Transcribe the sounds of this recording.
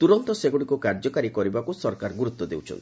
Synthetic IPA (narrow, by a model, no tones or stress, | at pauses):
t̪uɾɔnt̪ɔseɡoɽikukaɾd͡ʒɔkaɾikɔɾibakusɔɾkaɾɡuɾut̪ːɔd̪ḛwt͡ʃʰɔ̰nt̪i